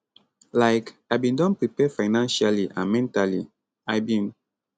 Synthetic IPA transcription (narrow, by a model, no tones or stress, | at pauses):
laɪkaɪbĩndɔ̃npɹipɛfaɪnãnʃaliʔãnmɛ̃ntalḭ | aɪbĩn